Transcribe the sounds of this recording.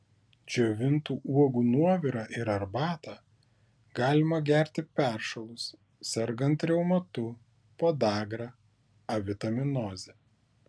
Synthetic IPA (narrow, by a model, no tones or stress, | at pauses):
d͡ʒʲoːʋʲɪnt̪uːʔuɔɡuːnuɔʋʲiːɾɑʔɪɾɐɾbɑːt̪ɑː | ɡɑːlʲɪmɐɡʲæˑɾʲt̪ʲɪpʲæˑɾʃɐlˠʊs | sʲɛɾɡɐnt̪ɾʲɛʊmɐt̪ʊ | poːd̪ɑːɡɾɑ | ɐʋʲɪt̪ɐmʲɪnɔːzʲɛ